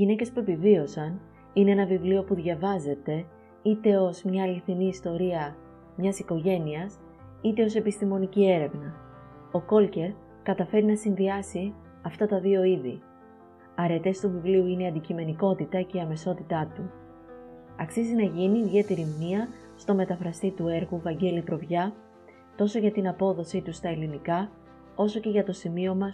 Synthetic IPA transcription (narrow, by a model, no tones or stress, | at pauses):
iʝine̞ce̞spue̞pivio̞sɐn | ine̞enɐvivlio̞puðʝɐvɐze̞t̪e̞ | it̪e̞o̞zmɲɐːliθiniːst̪o̞ɾiɐ | mɲɐsiko̞ʝe̞niɐs | it̪e̞o̞se̞pist̪imo̞nicie̞ɾe̞vnɐ | o̞ko̞lce̞ɾ | kɐt̪ɐfe̞ɾinɐsinðiɐsi | ɐft̪ɐt̪ɐðio̞iði | ɐɾe̞t̪e̞st̪uvivliuineiɐnd̪icime̞niko̞t̪it̪ɐce̞iɐme̞so̞t̪it̪ɐt̪u | ɐksizinɐʝiniːðʝe̞t̪e̞ɾimniɐ | st̪o̞me̞t̪ɐfɾɐst̪it̪ue̞ɾɣuvɐɲɟe̞lipɾo̞vʝɐ | t̪o̞so̞ʝɐt̪inɐpo̞ðo̞sit̪ust̪ɐe̞linikɐ | o̞so̞ce̞ʝɐt̪o̞simio̞mɐs